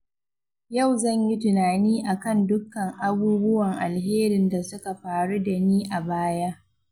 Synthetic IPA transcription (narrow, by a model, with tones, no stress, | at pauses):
ja˦˨wzɐ˦˨ɲji˦tʊ˨naː˨niː˦ʔa˨kɐ˦˨ndʊ˦kːɐ˨ŋʔa˦buː˦bʊ˦wɐ˨ŋʔa˨lɦeː˦ɾɪ˨nda˨sʊ˦ka˨ɸaː˨ɽu˦da˨niː˦ʔa˨baː˦ja˦ʔ